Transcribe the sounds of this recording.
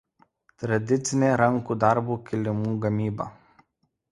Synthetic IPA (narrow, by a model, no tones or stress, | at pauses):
t̪ɾad̪ʲit̪sʲinʲeɾaŋkud̪aɾbukʲilʲɪmuɡɐmiba̰